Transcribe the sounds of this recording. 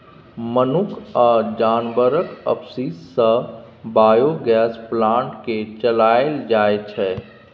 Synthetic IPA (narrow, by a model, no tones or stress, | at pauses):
mənʊkʰɔːɾd͡ʒaːnbəɾəkə̰psisːə | baːjoɡɛːsplãːɳʈket͡ʃəlaːeld͡ʒaːet͡ʃʰɛː